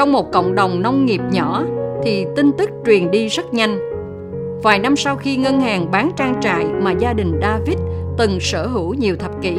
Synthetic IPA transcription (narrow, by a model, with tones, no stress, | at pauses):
t͡ɕɔ˧wŋ͡mmo˨˩t̚kə̰˧˨wŋ͡mɗə˨˩wŋ͡mnə˧wŋ͡mŋi˨˩əp̚ɲɔ˧˩t̪ʰi˨˩t̪i˧ŋ̟t̪ɨ˦˥k̚t͡ɕwi˨˩ənɗi˧zə˦˥t̚ɲa˧jŋ̟ | vaː˨˩jna˧msa˧wxi˧ŋə˧nhaː˨˩ŋɓaː˨˦nt͡ɕaː˧ŋt͡ɕa̰ː˧˨jmaː˨˩zaː˧ɗï˨˩ŋ̟ɗaː˧vi˦˥t̚t̪ɨ˨˩ŋsəː˧˩ɦɨ˧˩wɲi˨˩əwt̪ʰə˨˩p̚kḭ˧˩˨